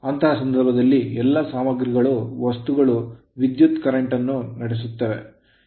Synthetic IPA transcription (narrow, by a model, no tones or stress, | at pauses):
ɐnt̪ɐɦɐsɐnd̪ɐɾbʱɐd̪ɐlːiɛlːɐsaːmɐɡɾiɡɐɭuʋɐst̪uɡɐɭu | ʋid̪jut̪kɐɾɐɳʈɐnːunɐɽes̬ut̪ːɐʋe̞̰